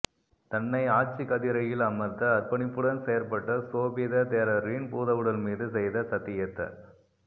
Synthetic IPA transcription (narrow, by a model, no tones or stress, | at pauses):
t̪ɐnːɐɪaːʈ̚t͡ʃikɐðɪɾɐjɪlɐmɐt̪d̪ɐɐɾpɐnɪpːɯɽɐnsɛjɐɾpɐʈːɐsoːʋiðɐt̪eːɾɐɾinpuːðɐʋɯɽɐlmiːðɯsɛjðɐsɐt̪ːɪjɐt̪ːɐ̰